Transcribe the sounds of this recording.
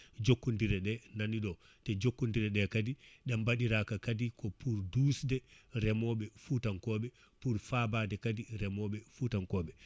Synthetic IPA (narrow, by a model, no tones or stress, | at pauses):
d͡ʒokːundiɾɛɗɛnaniɗɔ | tɛd͡ʒokːundiɾɛɗɛkadiɗambaɗiɾakakadikɔpuɾdusdɛɾɛmɔɓɛfutankɔːɓɛ | puɾfabaːdɛkadiɾɛmɔɓɛfutankɔːɓɛ